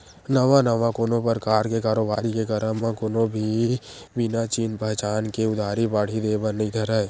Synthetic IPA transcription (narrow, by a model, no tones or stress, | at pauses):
nəʋãnəʋãkoːnõpəɾkaːɾkekaːɾoːbaːɾikekəɾəmãkoːnõbʱi | bɪnat͡ʃiːnpəɦt͡ʃaːnkeʊd̪ʱaːɾibaːɽ̤id̪eːbənĩd̪ʰʱəɾae